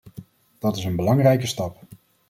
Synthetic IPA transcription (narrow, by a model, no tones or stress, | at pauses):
d̥ɑtɪsənbəlɑŋrɛjkəstɑp